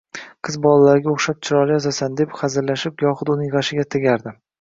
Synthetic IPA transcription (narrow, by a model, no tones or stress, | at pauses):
qʰɨzbɒlˠalaɾɪɡʲaoχʃap̚t͡ʃʰɪɾɒɾɪjɒzasand̪e̞pχɑzɪɾlaʃɪpjɒχʊd̪ʊnɪjʁɑʃɪɡʲat̪ʰeɡʲaɾd̪ɪ